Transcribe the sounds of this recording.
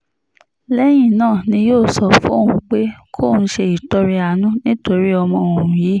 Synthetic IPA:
lɛ˦j̃ĩ˦˨nãː˦˨nĩ˧joː˦˨sɔ˧fṵ̃˦o˦˨ũ˧˨k͡pe˦kʰo˦˨nũ˧˦ʃe˧i˨to˦ɾi˦a˧˨nũ˦nĩ˦to˧ɾi˦ɔ˧mɔ̃˧˨o˨ɾ̃ũ˨ji˨˦

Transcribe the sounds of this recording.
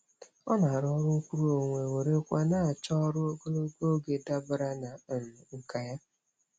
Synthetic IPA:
ɔ˦na˨ɾɔ˦ɾʊ˦ŋ̩˦kʷu˦ɾu˦o˨ŋʷe˨we˨ɾe˦kʷa˦na˦˨t͡ʃɔ˦ɾʊ˦ɡo˦lo˦ɡo˦ɡe˨da˦bʊ˦ɾa˦na˨m˨ŋ̩˨ka˨ja˦

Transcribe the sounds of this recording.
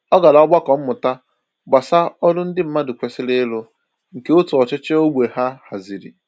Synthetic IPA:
ɔ˦ɡa˨la˨˦ɔ˦ɡ͡ba˦kɔ˨m̩˦mʊ˨ta˦ | ɡ͡ba˨sa˦ɔ˦dʊ˦n̩˦dɪ˦m̩˨˦ma˦dɪ˨kʷe˨sɪ˦lɪ˦lʊ˦ | ŋ̩˨ke˦o˦tu˨ɔ˨t͡ʃɪ˦t͡ʃe˦o˦ɡ͡bʷe˨ha˦ha˨zi˨ɾḭ˨

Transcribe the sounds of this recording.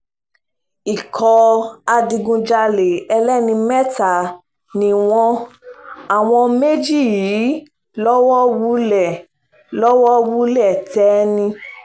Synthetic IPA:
i˨kʰɔ˧a˧di˧ɡũ˧d͡ʒa˧le˨ɛ˧lɛ˦nĩ˧mɛ˦ta˨ | nĩ˧w̃ɔ̃˦ | a˨w̃ɔ̃˧me˦d͡ʒi˦˨jiː˨˦ | lɔ˦wɔ˦wu˧˦lɛ˦˨ | lɔ˦wɔ˦wu˦lɛ˦˨tɛ˨˦nĩ˧

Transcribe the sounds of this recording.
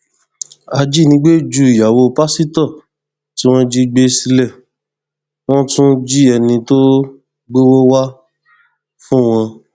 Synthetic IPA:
a˧d͡ʒi˦˨nĩ˧˦ɡ͡be˦˨d͡ʒu˧˨i˨ja˨wo˧pa˦si˦tɔ˦˨ | ti˦w̃ɔ̃˦d͡ʒi˦ɡ͡be˦si˧˦lɛ˦˨ | w̃ɔ̃˦tũ˦d͡ʒi˦ɛ˧nĩ˧to˦ | ɡ͡be˦wo˦wa˦ | fũ˦w̃ɔ̃˧

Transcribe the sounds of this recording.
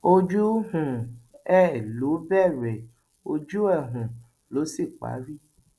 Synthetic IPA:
o˧d͡ʒu˦hũ˨ɛ˦˨lo˨˦bɛ˦˨ɾɛ˨ | o˧d͡ʒu˦ɛ˦˨ɦũ˨ | lo˨˦si˦˨k͡pa̰˨˦ɾi˦

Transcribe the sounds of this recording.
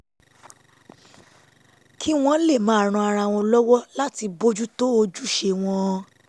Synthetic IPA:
kʰi˦w̃ɔ̃˧˦le˦˨mã˨˦a˨ɾ̃ɔ̃˧a˧ɾa˧w̃ɔ̃˧lɔ˦wɔ˦la˦ti˧bo˦d͡ʒu˦to˦o˧d͡ʒu˦˨ʃe˧w̃ɔ̃˧

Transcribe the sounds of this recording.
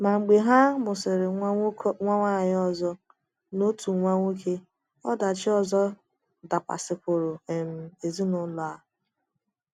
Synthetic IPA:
ma˨ŋ͡m̩˨ɡ͡be˨ɦa˦mʊ˨sɪ˨ɾɪ˨˦ŋʷa˦ŋʷa˦˨ɦɪ˦ɔ˦zɔ˦ | no˦tu˨ŋʷa˦ŋʷo˦kʰe˦ | ɔ˦da˨t͡ʃɪ˦ɔ˦˨zɔ˦ | da˨kʷa̰˨sɪ˨kʷʊ˨ɾo˨e˨m̩˨e˨zi˦nʊ˨˦lʊ˨a˦

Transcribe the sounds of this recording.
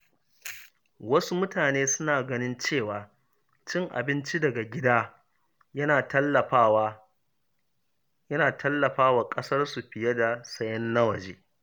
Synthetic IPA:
wɐ˦su˦mʊ˦taː˨neː˦sʊ˦naː˨ɡɐ˦nɪ˦nt͡ʃeː˦˨waː˨ | t͡ʃɪ˦ŋʔa̰˨bɪ˦nt͡ʃi˦dɐ˨ɡa˨ɡʲɪ˦daː˦ | jɐ˦naː˨tɐ˦lːɐ˨ɸa˦wa˦ | jɐ˦naː˨tʰɐ˦lːɐ˨ɸaː˦waː˨kʼɐ˦sɐ˦rsu˨ɸɪ˨jɐ˦da˨sɐ˦jɐ˦nːɐ˦wɐ˨d͡ʒeː˦

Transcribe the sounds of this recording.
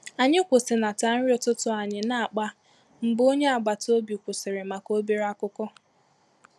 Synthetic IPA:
a˨ɲɪ˦kʷʊ˨sɪ˨na˨ta˨˦n̩˦ɾjʊ˦tʊ˦tʊ˦a˨ɲɪ˨na˦a˨k͡pa˦ | m̩˨bo˦ɲe˦a˨ɡ͡ba˨to˦bi˨kʷʊ˨sɪ˨ɾɪ˨ma˨ko˦bi˦ɾa˦kʊ˦kɔ˦

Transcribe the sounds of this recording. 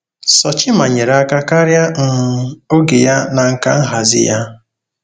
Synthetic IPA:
sɔ˨t͡ʃɪ˦ma˨ɲe˨ɾa˦ka˦ka˦ɾja˦ŋ̩˨o˦ɡe˨ja˦na˨ŋ̩˨ka̰˦n̩˦ɦa˨zɪ̰˦ja˦

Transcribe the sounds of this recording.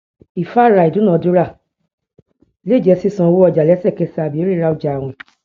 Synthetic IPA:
i˨fa˦˨ɾa˨i˨dũ˨˦nã˦˨du˦ɾa˦˨ | le˦˨d͡ʒɛ˧˦si˦˨sã˧wo˦ɔ˧˨d͡ʒa˨lɛ˨˦sɛ˦˨kɛ˧sa˨bi˨o˨˦ɾi˦ɾa˧u˧˨d͡ʒa˨w̃ɔ̃˧˨

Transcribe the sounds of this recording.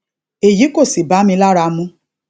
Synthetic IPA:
e˨ji˨˦ko˦˨si˨ba˨˦mĩ˧˦la˦ɾa˧mũ˦

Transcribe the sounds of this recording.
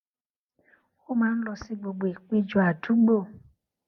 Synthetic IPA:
xo˦mã˨˦n̩˦lɔ˨si˦ɡ͡bo˨ɡ͡bo˨e˨k͡pe˦d͡ʒɔ˨a˨du˦ɡ͡bo˦˨

